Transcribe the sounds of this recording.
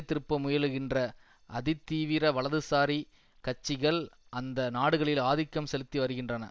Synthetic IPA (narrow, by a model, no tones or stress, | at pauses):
t̪ːɪɾɯpːɐmʊjɐlɯɣɪndrɐ | ʔɐðɪt̪ːiːʋɪɾɐʋɐɭɐðɯsaːɾi | kɐt͡ʃːɪɣɐɭʔɐnd̪ɐnaːɽɯɣɐɭɪlaːðɪkːɐmsɛlɯt̪ːiʋɐɾɯɣɪndrɐnɐ̰